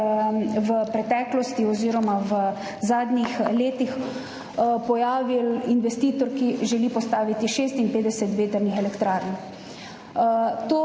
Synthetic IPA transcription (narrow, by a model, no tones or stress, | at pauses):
ʋəpɾɛt̪ɛːklɔst̪iɔziːɾɔmaʋə | zaːd̪nixleːt̪ix | pɔjaːʋilinʋɛst̪iːt̪ɔɾkiʒɛliːpɔst̪aːʋit̪iʃeːst̪inpeːd̪ɛsɛt̪ʋeːt̪əɾnixɛlɛkt̪ɾaːɾn | t̪oː